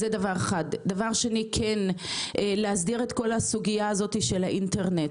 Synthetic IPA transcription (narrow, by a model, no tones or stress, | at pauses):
zedavaʁeχad̪davaʁʃenikʰen | leas̬diʁet̪ko̞lhasuɡijaːzo̞tiʃelaʔinte̞ʁnet